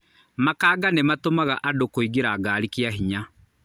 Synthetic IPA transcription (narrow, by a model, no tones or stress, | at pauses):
makaːɡanematomaɣaʔadokoiɣeɾaːɡaːɾikiaɦiɲa